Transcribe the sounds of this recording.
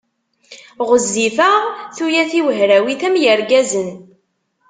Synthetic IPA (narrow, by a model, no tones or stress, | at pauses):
ʁəzːifəʁθujæθiwəɦɾæwiθæmjəɾɡæzən